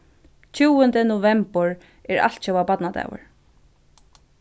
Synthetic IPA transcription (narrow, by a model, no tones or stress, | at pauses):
t͡ʃʰuːwənd̪ənʊvɛmpəɹ | ɛɹa̰l̥t̪t͡ʃɛwapat̪nad̪a̰wə̰ɹ